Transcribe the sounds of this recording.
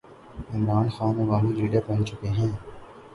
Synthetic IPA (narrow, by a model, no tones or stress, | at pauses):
ɪmɾaːnxaːnẽʋaːɦĩɾiːɖəɾpɐɦɪ̃nt͡ʃʊkeɦɛ̃ː